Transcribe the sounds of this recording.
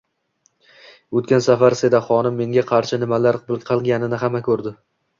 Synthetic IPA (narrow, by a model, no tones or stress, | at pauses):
ɵt̪̚kʲansafaɾsed̪aχɒnɪmːe̞ŋɡʲaqʰɑɾʃɪnɪmalaɾbɪlˠqʰɨlˠɡʲanɪnɪɦamakʲʰɵɾd̪ɪ